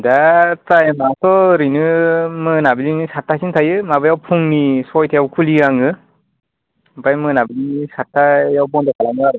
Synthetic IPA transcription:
datajɯmasɔɾinɯmɯnabilinisatʰːasintʰajɯmabɯjawpʰuŋnisɔjtʰajawkʰuliaŋɯ | bajmɯnabilinisatʰːajawbɔndakʰalaŋɯaɾɯ

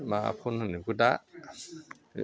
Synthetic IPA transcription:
mapʰunũniɡuda

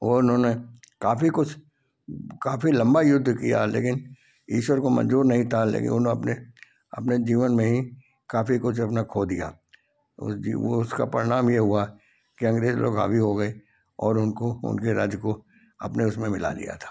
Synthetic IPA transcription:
ɔʊnɦõːne | kaːfikʊt͡ʃʰ | kaːfilɐ̃mbajʊd̪ʱːkija̰lḛːkɪn | ḭːʃwəɾkomɐ̰nd͡ʒuːɾnɐɦĩt̪ʰalḛːkɪ̰nʊnõɐpne | ɐ̰pned͡ʒiːʋənmẽɦĩ | kaːfikʊt͡ʃʰɐp̬nakʰoːd̪ija̰ː | ʊ̰sḭo̰ʊska̰pəɾɪnaːmjeɦʊa | kiɐ̃ŋɡɾeːzlʔo̰ːɡɦa̰ːbiɦoɡɐe | ɔːɾʊnkoʊ̰nkeɾa̰ːd͡ʒjko | ɐpneʊsmẽmɪla̰lḭja̰t̪ʰḁː

